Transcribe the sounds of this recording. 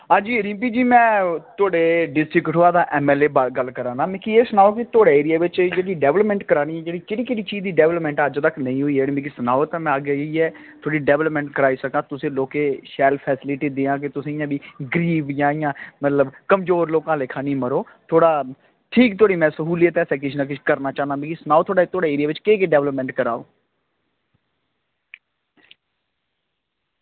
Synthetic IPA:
ɦãːd͡ʒiːɾĩːmpiːd͡ʒiːmɛ̃ːt̪ʰʊoːɽeːɖɪsʈɾɪkʈɦoːaːd̪aːʔɛːmɛːleːbɡəlkəɾãːnaːmɛ̃ːkieːsənaːoːkɪt̪ʰoːɽaːeːɾɪjaːʋɪt͡ʃd͡ʒeːɽiːɖɛːʋləpmɛ̃ːɳʈkəɾaːniːɛːd͡ʒeːɽiːkeɽiːkeɽiːt͡ʃiːd͡ʒd̪iːɖɛːʋləpmɛ̃ːɳʈəd͡ʒt̪əknəĩːɦoːiːɛːɽĩmiːkiːsənaːot̪ãːmɛ̃ːəɡiːɛː | t̪ʰoːɽiːɖɛːʋləpmɛ̃ːɳʈkəɾaːiːsəkãːt̪ʊsĩːloːkeːʃɛːlpʰɛːsɪlɪʈiːd̪eːãːk̬ɪt̪ʊsĩːɪjãːbʱiːɡɾiːʋjãːɪjãːmət̪ləbkəmzoːɾloːkãːlekʰãːnĩːməɾoː | t̪ʰoːɽaː | ʈʰiːkt̪ʰoːɽiːmɛ̃ːsəɦuːliːɛːt̪ɛsɛ̃ːk̬ɪt͡ʃʰnãːk̬ɪt͡ʃʰkəɾnaːt͡ʃaːnãːbĩːkisənaːoːt̪ʰoːɽaːt̪ʰoːɽaːeːɾɪjaːʋɪt͡ʃkeːk̬eɖɛːʋləpmɛ̃ːɳʈkəɾaːo̰ː

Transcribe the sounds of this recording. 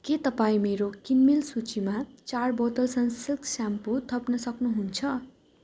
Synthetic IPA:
ket̪ʌpaĩmeɾokinmilsut͡simat͡sarbot̪ʌlsʌnsiksamput̪ʰʌpnʌsʌknuɦunt͡sʰʌ

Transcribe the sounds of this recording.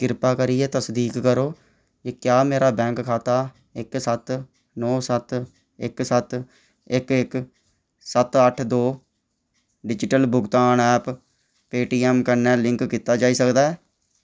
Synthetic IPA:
kɪɾpaːkəɾiːɛːt̪əsd̪iːkːəɾoː | ekjaːmeːɾaːbɛ̃ːŋkkʰːaːt̪aː | ɪksət̪ | nɔːsət̪ | ɪksət̪ | ɪkɪk | sət̪əʈʰd̪oː | ɖɪd͡ʒɪʈəlbʊɡt̪aːnɛːp | peːʈiːɛːmkəɾnɛːlɪ̃ŋkkiːt̪aːd͡ʒaːiːsəkd̪aːɛː

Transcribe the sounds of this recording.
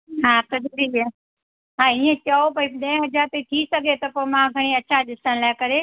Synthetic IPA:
ɦãːkɐzuɾie | ɦãːiːẽt͡ɕɐopɐĩɗɐ̃ːɪ̃ɦɐd͡ʒaːɾt̪et̪ʰisɐɡʱet̪ɐpomãɡʱɐɽ̃iɐːʃʰaɗɪsəɽ̃laːɪkɐɾe

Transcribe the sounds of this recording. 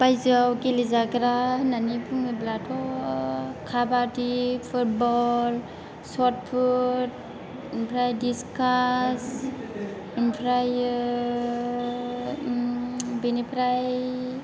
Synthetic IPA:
pajzawkilizaɡɾananipʰuŋiblatʰɔ | kʰabatipʰut̚bɔl | sɔt̚pʰut̚ | npʰɾajdiskas | inpʰɾaj | binipʰɾaj

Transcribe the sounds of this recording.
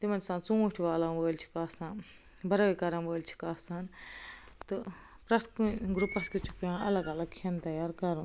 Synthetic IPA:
t̪imɐnsãːnt͡sũũʈʰiʋaːlaːboːlʲt͡ʃʰi̥kaːsãːn | bʱɐɾɐikɐɾanboːlʲt͡ʃʰi̥kaːsaːn | t̪ɨ | pɾɐt̪ʰkuɡɾupɐt̪ʰkʲut͡ʃʰu̥kjãːɐ̰lɐɡɐlɐɡ̚kʰint̪ɐjaːɾkɐɾũ

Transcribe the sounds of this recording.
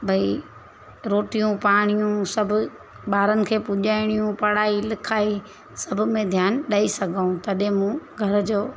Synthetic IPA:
bʱɐi | ɾoːʈijũpaːɽ̃ijũsɐbʱʊ | ɓaːɾənɪ̆kʰeːpʊʄaːɪɽ̃ijũpɐɽaːilɪkʰaːi | sɐbʱʊ̆mẽd̪ʱjaːnɗaːisɐɡʱaːũt̪ɐɗɦɪ̃mũɡʱɐɾd͡ʑoː

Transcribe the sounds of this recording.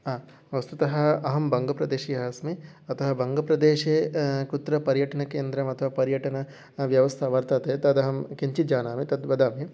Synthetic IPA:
aː | ʋɐst̪ut̪ɐɦɐɐɦɐmbɐŋɡɐpɾɐd̪eːʃiɐɦɐsmiɐt̪ɐɦɐbɐŋɡɐpɾɐd̪eːʃekut̪ɾɐpɐɾjɐʈɐnɐkeːnd̪ɾɐmɐt̪ʰɐʋapɐɾjɐʈɐnɐ | ʋjɐʋɐst̪ʰɐʋɐɾt̪ɐt̪et̪ɐd̪ɐɦɐmkiɲt͡ʃit̪̚d͡ʒaːnaːmit̪ɐd̪bɐd̪aːmi

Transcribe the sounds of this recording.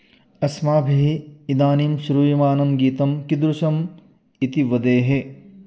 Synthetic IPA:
ɐsmaːbʱiɦiːd̪aːniːmʃuɾuːimaːnɐmɡiːt̪ɐmkid̪ɾuʃɐm | it̪iʋɐd̪eːɦe

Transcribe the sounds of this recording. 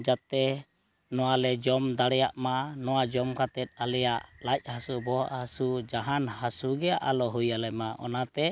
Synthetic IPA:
d͡ʒat̪ɛ | nɔwalɛd͡ʒɔmd̪aɽɛjaʔmanɔwad͡ʒɔmkat̪ɛt̪̚ˀalɛjaʔlac̚ˀhasubɔ̰ʔhasud͡ʒaɦanhasuɡɛaʔalɔɦujalɛmaʔɔ̰nat̪ɛ

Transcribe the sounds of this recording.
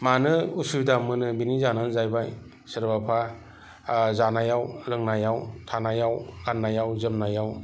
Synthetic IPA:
manɯusudamɯnɯbinizananzajbaj | sɯɾbapʰa | zanajawlɯŋnajawtʰanajawɡanːajawzɯmnajaw

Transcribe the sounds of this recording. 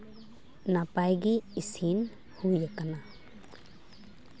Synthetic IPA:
napajɡiːsin | hujakana

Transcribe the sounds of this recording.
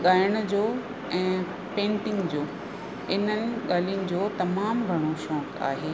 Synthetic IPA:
ɠaːɪəɽ̃̆d͡ʑoː | ɛ̃ː | pẽːɳʈɪ̃ŋɡd͡ʑoː | ɪn̤ənɪ̆ɠaːlijʊnɪ̆d͡ʑoːt̪ɐmaːmɡʱɐɽ̃oʃɔ̃ːka̰ːɦeː

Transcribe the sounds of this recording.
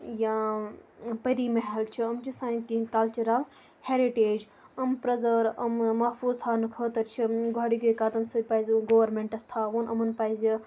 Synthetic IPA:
jãː | pɐɾimɐɦɐlt͡ʃʰiɐmt͡ʃʰisãːĩkĩkɐlt͡ʃuɾal | heːɾiʈeːd͡ʒ | ɐmpɾɐzəɾɐmmɐfuːzt̪ʰaːnɨkʰəːt̪ɐɾt͡ʃʰiɡʱaːɽiɡujkaːt̪ɐmsupajzɡoːʋɐɾmẽɳʈɐst̪ʰaːʋonʔɐmɐnpaːizi

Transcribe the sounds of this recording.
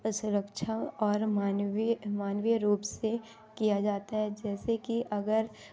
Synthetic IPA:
sʊɾəkʃʰəɔːɾmaːnʋmaːnʋjəɾuːpse | kijad͡ʒaːt̪aɦɛd͡ʒɛːsekiʔɐɡəɾ

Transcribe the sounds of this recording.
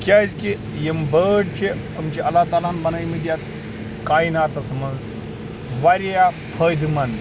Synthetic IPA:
kjazki | jembəɖt͡ʃʰe | ɐmt͡ʃiʔɐlaːt̪aːlaːnbɐnajmid̪ijat̪ | kaːinaːt̪ɐsɐmɐnz | ʋaɾʲijafʰəːjd̪ɨmɐn

